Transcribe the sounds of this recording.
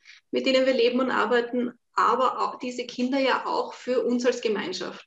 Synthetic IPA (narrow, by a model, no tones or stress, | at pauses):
mɪt̚d̥eːnənviːɐleːbm̩ʊntʔa̰ɐbæɪtn̩ | ʔaːbɐʔaʊxd̥iːzəkʰɪndɐjaːʔaʊxfyːɐʔʊnsalsɡ̥əmaɪnʃa̰ft